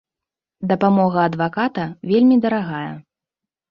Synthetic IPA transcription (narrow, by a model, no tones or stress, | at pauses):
d̪ɐpamɔɣɐːd̪vakat̪ɐvʲelʲmʲid̪ɐɾaɣajɐ